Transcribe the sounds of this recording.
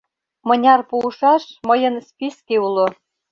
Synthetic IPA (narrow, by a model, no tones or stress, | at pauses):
mɤ̆nʲɑrpuʃɑʃmɤ̆jɤ̆nspʲiskeulˠŏ